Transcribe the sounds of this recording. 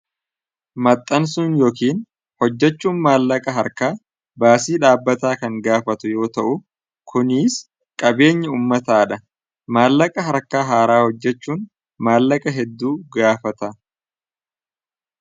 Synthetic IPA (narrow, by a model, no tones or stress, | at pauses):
mɐt̪ʼːɐns̬ʊnjo̞ːkiːn | hɔd͡ʒːɛt͡ʃːuːnmaːlːɐkʼɐɦɐɾkaː | baːsiːᶑaːbːɐt̪aːkɐŋɡaːfɐt̪ʊjo̞ːt̪ɐʔʊ | kʰʊnɪs | kʼɐbe̞ːɲːɐuːmːɐt̪aːᶑɐ | maːlːɐkʼɐɦɐɾkaːɦaːɾaːhɔd͡ʒːɛt͡ʃːuːn | maːlːɐkʼɐɦɛd̪ːuːɡaːfɐt̪ɐ